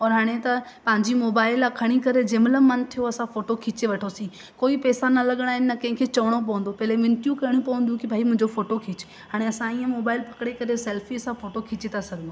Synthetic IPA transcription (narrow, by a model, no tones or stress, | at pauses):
ɔːɾɦaːɽ̃et̪ɐpɐ̃ɦɪ̃ɲd͡ʑimoːbaːɪlakʰɐɽ̃ikɐɾed͡ʑɪmləːɐnt̪ʰijoɐsãfoːʈokʰɪt͡ɕeʋɐʈʰosĩ | koːipɛːsanɐlɐɠəɽ̃aːɦɪnɪ̆ːɐkɐ̃ɦɪ̃kʰeːt͡ɕɐʋəɽ̃op̬ɐʋə̃nd̪opɐɦɪleʋɪ̃nʈjũkɐɪɽ̃ũpɐʋə̃nd̪jũkɪbʱaːimʊ̃ɦɪ̃ɲd͡ʑofoːʈokʰɪt͡ɕɪ̥ | ɦaːɽ̃eɐsãiːə̃moːbaːɪlpʰɐkɽ̃ekɐɾesɛːlfiɐsãfoːʈokʰɪt͡ɕet̪ʰasɐɡʱə̃nd̪o